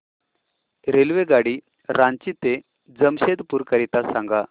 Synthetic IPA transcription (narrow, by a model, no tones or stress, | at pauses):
ɾelʋeɡaɽi | ɾaɲt͡ɕit̪e | d͡zəmɕed̪puːɾkəɾit̪asãŋɡa